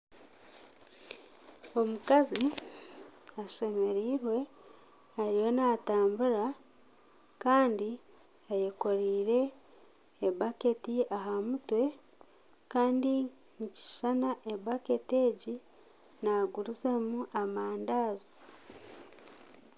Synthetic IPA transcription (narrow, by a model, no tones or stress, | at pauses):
o̞mukazi | aʃe̞me̞ɾiːɾwe̞ | aɾijonaːtaːmbuɾa | kaːndi | ajeko̞ɾiːɾe̞ː | bake̞tiaɦamutwe̞ | kaːndi | nici̥ʃanaʔebake̞te̞ːɟi | naɡuɾuzemuʔamaːndaːzi